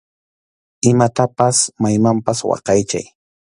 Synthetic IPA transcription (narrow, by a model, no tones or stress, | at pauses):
ɪmat̪apasmajmampaswɑ̰qɑjt͡ʃa̰j